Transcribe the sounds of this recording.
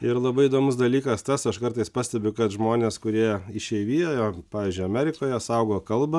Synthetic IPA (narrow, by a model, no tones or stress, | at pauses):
ɪɾlˠɐbɐɪɪd̪oːmʊsd̪ɐlʲiːkɐst̪ɐsɐʃkɐɾt̪ɐɪspɑːsʲt̪ʲɛbʲʊkɐt̪ʒmoːnʲeːskʊɾʲiɛɪʃʲɛɪʋʲiːjoːjoːpɑːʋʲiːzʲd͡ʒʲʊɪɐmʲæːɾʲɪkoːjɛsɐʊɡoːkɐlˠbɐ